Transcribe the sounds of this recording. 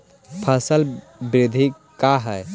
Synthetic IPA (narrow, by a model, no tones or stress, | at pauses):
pʰəsəl | bɾɪd̪ʱi | kaɦɛ